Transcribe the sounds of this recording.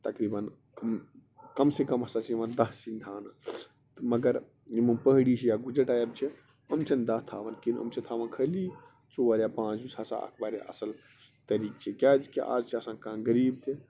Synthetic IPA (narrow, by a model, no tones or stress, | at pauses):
t̪ɐkɾiːbɐn | kɐm | kɐmsekɐmɐsat͡ʃʰiimand̪ɐɦsind̪ʱaːna | t̪mɐɡəɾ | jimunpəɦɽit͡ʃʰijaɡud͡ʒəʈaːjɐɾt͡ʃʰi | əmt͡ʃʰɐnd̪ɐɦt̪ʰaːʋɐnkinə̰mt͡ʃʰit̪ʰaːʋənkʰəli | t͡soʋaːɾjapãːt͡ʃd͡ʒusʰaːsa̰a̰kʰbaːɾḛʔɐ̰sɐl | t̪ɐɾiːk̚t͡ʃʰikʲaːd͡ʒkiʔa̰ːd͡ʒt͡ʃʰiɐsãːnkãːɡəɾiːb̚t̪ʰe